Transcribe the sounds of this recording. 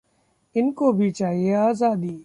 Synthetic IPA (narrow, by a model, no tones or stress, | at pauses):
ɪnkoːbʱiːt͡ʃaːɦieaːzaːd̪iː